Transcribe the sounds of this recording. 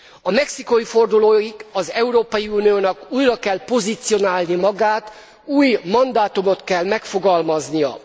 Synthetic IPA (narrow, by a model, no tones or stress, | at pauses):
ɒmɛksiko̞ifo̞rd̪uloːiɡɒzɛuɾoːpɒjiuːnijoːnɒkuːjrɒkɛlpo̞zit̪sijo̞naːlnimɒɡaːt̪ | uːjmɒnd̪aːt̪umo̞t̪kɛlmɛkfo̞ɡɒlmɒznijɒ̰